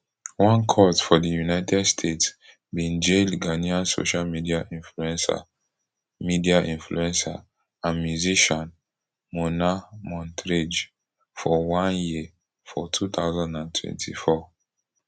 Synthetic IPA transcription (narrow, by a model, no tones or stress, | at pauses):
wãnkʰɔtfɔdijunaɪtʰɛdstʰets | bĩnd͡ʒelɡaniãnso̰ʃalmidiaĩnfluɛ̃nsa̰ | midiaʔĩnfluɛ̃nsa̰ | ãnmjuziʃɔ̃n | monamɔ̃ntɹed͡ʒ | fɔwãnji | fɔtʰut̪aʊzãndãntʰwɛ̰̃ntʰḭfɔ